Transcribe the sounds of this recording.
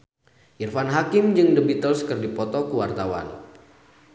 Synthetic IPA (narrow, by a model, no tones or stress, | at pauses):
ʔirfanɦakɪmd͡ʒɨŋdəbit̪əlskərdipɔt̪ɔkuwart̪awa̰n